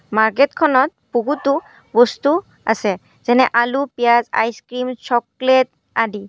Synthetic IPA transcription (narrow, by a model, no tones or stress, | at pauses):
maɹketkʰɔnɔt̚puɡutu | bɔstu | a̰sɛ | z̥ɛnɛʔalupijaza̰jskɹimt͡ʃʰɔklet̚ | adi